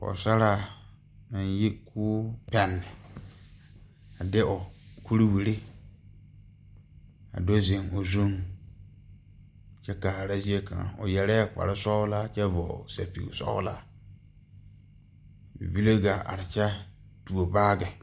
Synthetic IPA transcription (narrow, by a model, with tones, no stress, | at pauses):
kɔ̰˨sa˦ɾa˨ | nã˨nji˦kʰʊː˦pɛ˨nːɪ˨ | a˨dɪ˦ʔɔ˨kʰu˦ɾi˦wi˨ɾi˦ | a̰˨do˦zɪ˨ŋo˨zũ˦ŋ | t͡ʃɛ˦kaː˨ɾa˦zi˦e˦kʰã̰˨ɔ̰˨jɛ˨lɛ˦˨k͡pa̰˨ɾɪ˦sɔ˦la˦t͡ʃɛ˦vɔ̰˨sa̰˨pḭ˨sɔ̰˦la˦˨ | bi˦le˦ɡa˨a̰˨ɾɪ˨t͡ʃɛ˦ | tu˨o˨baː˦ɡɛ˨